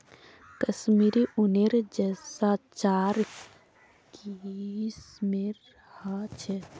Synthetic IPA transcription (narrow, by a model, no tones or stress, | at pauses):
kəsmiɾiʔuneɾd͡ʒəsat͡ʃaːɾ | kismeɾ | hat͡ʃʰe